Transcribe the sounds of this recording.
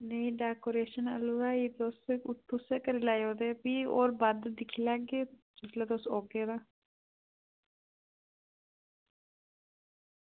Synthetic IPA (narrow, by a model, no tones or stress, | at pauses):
neĩːɖɛːkoːɾeːʃənə̰luːɾaːiːt̪oːsʊt̪ʰːuseːkəɾilaːjoːd̪eːpiːoːɾbad̪d̪ɪkʰiːlaɡeː | d͡ʒɪt̪laːd̪osoːkeːd̪aː